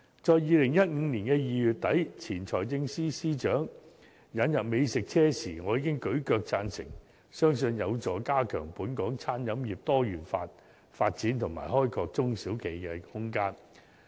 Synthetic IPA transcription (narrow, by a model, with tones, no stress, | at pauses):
t͡sɔː˨˧jːiː˨˧lɪ˨˩ŋjɐ˥t̚ŋ̩˨˧niː˨˩nkɛː˧jiː˨˧jyː˨˧t̚t̪ɐ˨˥jt͡sʰiː˨˩nt͡sʰɔː˨˩jt͡sɪ˧ŋsiː˥siː˥t͡ʃœː˨˥ŋ | jɐ˨˥njɐ˨p̚me˨˧jsɪ˨k̚t͡sʰɛː˥sḭː˨˩ŋɔː˨˧jiː˨˧kɪ˥ŋkɵ˨˥ɥkœː˧k̚t͡saː˧nsɪ̰˨˩ŋ | sœː˥ŋsɵ˧njɐ˨˧wt͡sɔː˨˧kaː˥kʰœ̰ː˨˩ŋpuː˨˥nkɔː˨˥ŋt͡sʰaː˥njɐ˨˧˥mjiː˨p̚t̪ɔː˥jyː˨˩nfa̰ː˧t̚ | faː˧t̚t͡siː˨˥nt̪ʰʊ˨˩ŋma̰ː˨˩jɦɔː˥jkʰɔː˧k̚t͡sʊ˥ŋsiː˨˥wkʰe˨˩jkɛ˧hʊ˥ŋkaː˥n